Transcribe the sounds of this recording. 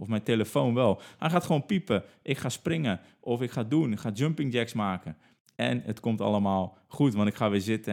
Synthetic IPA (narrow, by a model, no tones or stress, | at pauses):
ɔfmɛjnteləfonʋɛlˠhajxaːtχəʋoːnpipəʔɪkxaːsprɪŋə | ʔɔfɪkxaːdunɪkxaːd͡ʒømpɪŋdɛksmaːkə | ɛ̰nə̰tkomta̰ləmaːlˠ | χutʋɑntɪkχxaʋɪzɪtə